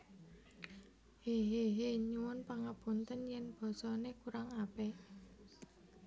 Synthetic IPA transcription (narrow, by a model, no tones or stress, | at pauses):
heɦeɦeɲuwʊnpaŋab̥ṳnt̪ənjɛnb̥ɔ̤sɔnekuɾaŋape